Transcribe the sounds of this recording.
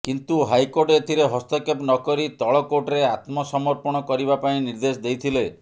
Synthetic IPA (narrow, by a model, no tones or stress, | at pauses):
kint̪uɦajkoɾʈet̪ʰiɾeɦɔst̪ɔkepnɔkɔɾit̪ɔɭɔkoɾʈɔɾeat̪mɔsɔmɔɾpɔɽ̃ɔkɔɾibapaĩniɾd̪esd̪ejt̪ʰile